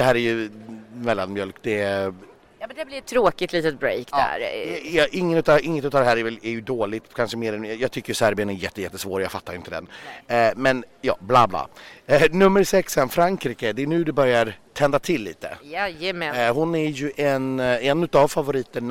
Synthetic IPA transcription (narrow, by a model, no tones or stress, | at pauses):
d̪̥ɛɦæːɾæjɵmɛlːanmjœlkd̪ɛ | md̪blɪɾɛt̪ʰːɾoːkɪt̪liːt̪ət̪̚bɾɛ̰ɪkd̪æ̰ɾɛʔɪŋːənʉːt̪ɑʔɪŋːət̪ʉt̪ːɑːd̪ɛhæːɾɛɾvɛlɛɾjɵd̪oːlɪt̪kʰanʂəmeːɾɛnjɑjɑːt̪ʰʏkːəjɵsæɾbɪjənæɾjɛt̪ːəjɛt̪ːəsvoːɾjɑːɡfat̪ːaɾjʏnt̪əd̪ɛ̰nmɛnjɑ̰ːblɑːbla̰ːnɵmːəɾsɛkshɛnfɾaŋkɾiːkəd̪ɛnʉ̟ːd̪ɛbœɾjaɾt̪ʰɛnd̪at̪ʰɪlːḭːt̪ə̰ɛjɛmɛhʊnæɾjɵʔɛnɛnːʉt̪avfavʊɾiːt̪əɳ